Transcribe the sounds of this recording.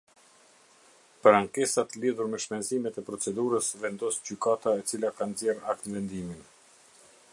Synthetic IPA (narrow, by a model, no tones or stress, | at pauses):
pəɾaŋkɛsat̪əliðuɾmɛʃmɛnzimɛt̪ɛpɾɔt͡sɛd̪uɾəsvɛnd̪ɔsd͡ʑykat̪aɛt͡silakanzjɛɾak̚t̪nvɛnd̪imin